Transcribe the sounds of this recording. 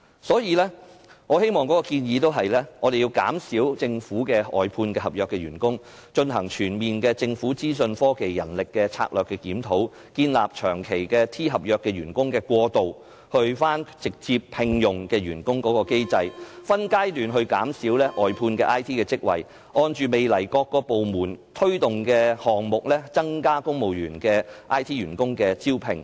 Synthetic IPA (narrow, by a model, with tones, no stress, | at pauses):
sɔː˨˥jiː˨˧lɛː˥ | ŋɔː˨˧he˥jmɔː˨ŋkɔː˨˥kɔː˧kiː˧njiː˨˧t̪o˥wɦɐ˨jlɛː˥ŋɔː˨˧e˨ji˧wka̰ː˨˥msiː˨˥wt͡sɪ˧ŋfuː˨˥kɛː˧ɔ̰ː˨jpʰuː˧nkɛː˧hɐ˨p̚jœː˨kːɛː˧jyː˨˩nkʊ˥ŋ | t͡ʃɵ˧nɦɐ˨˩ŋt͡ʃʰyː˨˩nmiː˨nkɛː˧t͡sɪ˧ŋfuː˨˥t͡siː˥s̬ɵ˧nfɔː˥ke˨˩jːɐ̰˨˩nlɪ˨kːɛː˧t͡sʰa̰ː˧k̚lœː˨kːɛ˧kiː˨˥mt̪ʰo˨˥w | kiː˧nla̰ː˨p̚t͡ʃʰœː˨˩ŋkʰe˨˩jkɛː˧t̪ʰiː˥ɦɐ˨p̚jœː˨˧kːɛː˧ɥyː˨˩nkʊ˥ŋkɛː˧kʷwʷɔː˧t̪o˨w | hɵ˧ɥfaː˥nt͡sɪ˨k̚t͡siː˧p̚pʰɪ˨˧ŋjʊ˨ŋkɛː˧ɥyː˨˩nkʊ˥ŋkɔː˨˥kɔː˧ke˥jt͡sɐ˧jfɐ˥nkaː˥jlyː˨nɦɵ˧ɥkaː˨˥msiː˨˥wlɛː˥ʔɔː˨jpʰuː˧nkɛ˧ʔaː˥jt̪ʰiː˥kɛː˧t͡sɪ˥k̚wɐ̰˨˩j | ʔɔː˧nt͡ʃyː˨˧me˨jlɐ˨˩jkɔː˧kːɔː˧po˨wmuː˨˩nt̪ʰɵ˥ɥt̪ʊ˨ŋkɛː˧hɔː˨˩ŋmʊ˨k̚lɛː˥t͡sɐ˥ŋkaː˥kʊ˥ŋmo˨˩wjyː˨˩nkɛː˧ʔaː˥jt̪ʰiː˥ɥyː˨˩nkʊ˥ŋkɛː˧t͡siː˥wpʰɪ̰˨˩ŋ